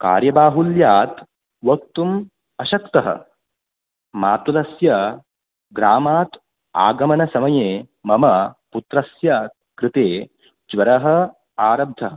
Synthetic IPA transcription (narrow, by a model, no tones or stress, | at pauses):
ka̰ːɾjɐbaːɦuljaːt̪ | ʋɐk̚t̪um | ɐʃɐkt̪ɐɦɐ̰ | maːt̪ulɐsjɐ | ɡɾaːmaːt̪ | a̰ːɡɐmɐnɐsɐmɐjeː | mɐmɐput̪ɾɐsjɐ | kɾɪt̪eː | d͡ʒʋɐɾɐɦɐ̆ | aːɾɐb̚d̪ʱɐɦɐ